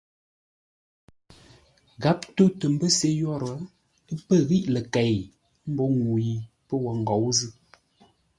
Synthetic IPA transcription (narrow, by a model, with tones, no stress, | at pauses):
ɣa˨˦p̚to˦tə˨m̩˦bə˦se˦jɔ˦˨ɾə˨˦ | pə˦ɣi˦ʔlə˨kɛ˨j | m̩˦bɔ˦ŋu˨ji˨ | pə˦wə˨ŋ˨ɡɔ˨˦wzɨ˦